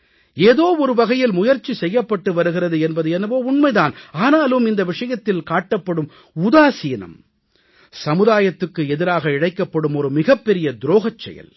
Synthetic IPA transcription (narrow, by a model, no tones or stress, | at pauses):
eːðoːɔɾɯʋɐɣɐjɪlmʊjɐɾt͡ʃːisɛjːɐpːɐʈːɯʋɐɾɯɣɪɾɐðɯɛnbɐðɯɛnɐʋoːʊɳmɐɪðaːnaːnaːlɯmɪnd̪ɐʋɪʂɐjɐt̪ːɪlkaːʈːɐpːɐɽɯm | ʊðaːsiːnɐ̰m | sɐmɯðaːjɐt̪ːɯkːɯɛðɪɾaːɣɐɪɽɐɪkːɐpːɐɽɯmɔɾɯmɪɣɐpːɛɾɪjɐd̪ɾoːɣɐt͡ʃːɛ̰jɐ̰l